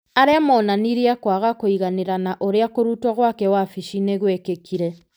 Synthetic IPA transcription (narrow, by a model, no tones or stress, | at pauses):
aɾeamɔːnaniɾeakwaɣakoiɣaneɾanaʔoɾeakoɾutwɔɣwakɛwafiʃineɣwekekiɾɛ